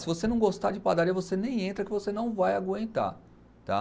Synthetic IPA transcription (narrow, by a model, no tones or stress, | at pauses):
sɪvosenɐ̃w̃ɡost̪ad͡ʒɪpad̪aɾĩɐvosenẽj̃ẽnt̪ɾɐkɪvosenɐ̃w̃vajaɡwẽnt̪a̰ɾ | t̪a̰